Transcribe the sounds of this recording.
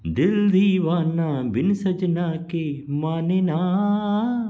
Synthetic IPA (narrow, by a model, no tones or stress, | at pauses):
d̪ɪld̪ʱiːʋaːnaːbɪnsɐd͡ʒnaːkeːmaːnenaː